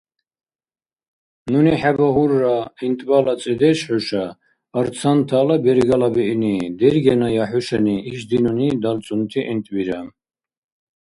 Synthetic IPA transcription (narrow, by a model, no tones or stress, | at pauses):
nuniħabaɦuɾːaint̪ʼbalat͡sʼid̪ɛʃħɔʃaː | ɾt͡sʰant̪ʰalabɛɾɡalabɛinid̪ɛɾɡɛnajaħuʃɛniːʃd̪inunid̪alt͡sʼunt̪ʰiʔɛnt̪ʼbiɾa